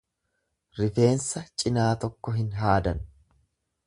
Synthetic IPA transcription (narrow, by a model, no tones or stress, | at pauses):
ɾɪfe̞ːnsɐt͡ʃʼɪnaːt̪ɔkːɔɦɪnɦaːd̪ɐn